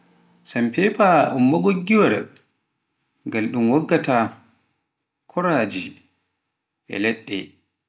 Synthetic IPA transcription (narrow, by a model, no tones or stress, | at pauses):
sampɛpaʔumːɔɡoɡːiwaɾɛ̰ | ŋɡalɗumwɔɡːata | kʰɔɾad͡ʒi | ʔɛ̰lɛɗːɛ